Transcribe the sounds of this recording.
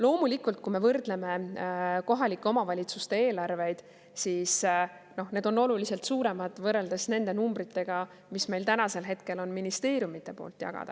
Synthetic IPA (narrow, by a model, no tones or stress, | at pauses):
lo̞ːmulikːˑult̪̚kume̞vɤrd̪̥le̞me̞ko̞ɦɑlikːˑeo̞mɑvɑlʲit̪sust̪e̞e̞ːlɑrve̞jd̪̥ | siːs | no̞hne̞ːd̪o̞no̞lulise̞lt̪suːɾe̞mɑd̪̥vɤrːe̞ld̪e̞sne̞nd̪̥e̞numbɾit̪ːˑe̞ɡ̥ɑ | misme̞jlt̪ænɑse̞lɦe̞t̪ke̞lo̞nminist̪e̞ːɾjumit̪ːˑe̞po̞̰ːlt̪ːˑjɑ̰ɡ̥ɑ̰d̪̥ɑ̰